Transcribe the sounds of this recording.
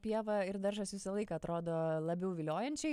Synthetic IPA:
pʲiɛʋɐɪɾd̪ɐɾʒɐsʋʲɪsɐlˠɐɪkɐːɐt̪ɾoːd̪oːlˠɐbʲɛʊʋʲɪlʲoːjɛnʲt͡ʃʲɛɪ

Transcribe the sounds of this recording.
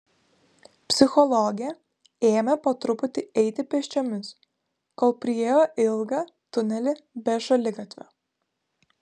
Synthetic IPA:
pʲsʲɪxɔlˠɔɡʲɪjɛ | eːmʲɛpɐt̪ɾʊpʊt̪ʲɪɛɪt̪ʲɪpʲɛʃʲt͡ʃʲomʲɪs | koːlˠpʲɾʲɪjeːjoːʔɪlˠɡɐ | t̪ʊnʲɛlʲɪbʲɛʒɐlʲɪɡɐt̪ʲʋʲɛ̰

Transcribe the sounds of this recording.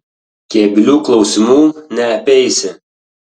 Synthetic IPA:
kʲeːbʲɪlʲuːklˠɒʊsʲɪmuːnʲɛɐpʲɛɪsʲɪ

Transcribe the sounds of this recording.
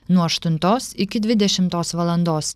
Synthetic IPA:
nuɔɐʃt̪ʊnt̪oːsɪkʲɪd̪ʲʋʲɪd̪ʲɛʃʲɪmt̪oːsʋɐlˠɐnd̪oːs

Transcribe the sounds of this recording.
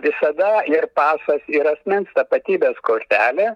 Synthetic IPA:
ʋʲɪsɐd̪ɐɪrpɑːsɐsɪɾɐsʲmʲɪnst̪ɐpɐt̪ʲiːbʲeːskoːɾʲt̪ʲæːlʲe

